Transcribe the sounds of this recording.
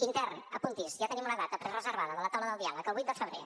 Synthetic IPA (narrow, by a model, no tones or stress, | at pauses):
int̪ɛrnəpunt̪isʒat̪ənimunəðat̪əpɾɛrəzəɾβaðəðələt̪awnəðəlˠd̪ialəkəlˠβujt̪̚d̪əfəβɾḛ